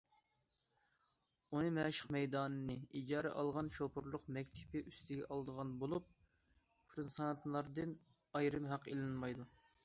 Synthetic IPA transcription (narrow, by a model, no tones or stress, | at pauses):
unɨmɛʃə̥qmɛjd̪ɑːnɨnɨʔid͡ʒɑːɾɛ̰ʔɑ̰lˠʁɑnʃopʰuɾlˠʊqmɛkʲt̪ʰɪ̥pɪʔyst̪ʰɪɡʲɛʔɑlˠd̪əʁɑnbolˠup̚ | pʰɾɨsɑnt̪lˠɑɾd̪ɨn | ɑjɾɨmɦɑqelɨnmɑjd̪u